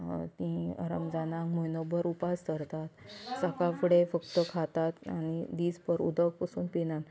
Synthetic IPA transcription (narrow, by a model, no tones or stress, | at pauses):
t̪ĩə̰ɾəmd͡zanãkmojnobəɾupast̪əɾt̪at̪səkafuɽefəkt̪əkʰat̪at̪añid̪id͡zpəɾṵd̪ək̚pəsuːnpinãn